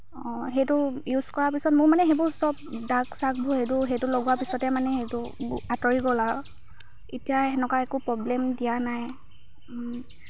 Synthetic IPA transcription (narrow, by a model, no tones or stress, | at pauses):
ɔ̃ɦetʊjuzkɔɹapisɔtmʊɹmanɛɦebʊsɔp̚daɡsak̚bʱuhetʊɦetʊloɡuwapisɔtɛmanɛhejtʊatɔɹiɡɔlaɹɔ | etijaɦɛnɔkaɛkʊpɹɔblɛmdijanaj